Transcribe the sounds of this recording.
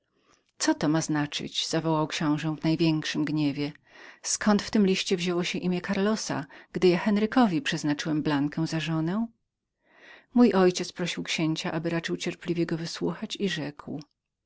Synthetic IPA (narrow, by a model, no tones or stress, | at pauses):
t̪sɔt̪ɔmaznat͡ʂɘ̰d͡ʑz̥avɔwawkɕɔ̃w̃ʐɛvnajvʲjɛŋkʂɘmɡɲevʲjɛskʰɔnt̪ft̪ɘmlʲiɕt͡ɕɛvʑɛwɔɕɛʔimʲjɛkaɾlɔsa̰ɡ̥d̪ɘjaxɛnɾɘkɔvʲipʂɛznat͡ʂɘwɛmblaŋkɛw̃zaʐɔnɛw | mujʔɔjt͡ɕɛt̪spɾɔɕiwkɕeɲt͡ɕaʔabɘɾat͡ʂɘwt͡ɕɛɾplʲivʲjɛɡɔvɘswuxat͡ɕiʐɛkw